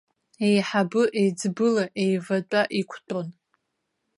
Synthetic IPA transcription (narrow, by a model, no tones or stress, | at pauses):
e̞jħabɨʔejd͡zbɨlaʔejvat͡pʷʼaʔikʷʰtʼon